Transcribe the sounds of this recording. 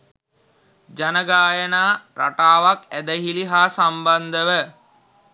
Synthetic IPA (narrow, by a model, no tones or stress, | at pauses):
d͡ʒanəɡaːjənaːɾa̰ʈaːʋakæd̪əɦiliɦaːsamband̪əʋə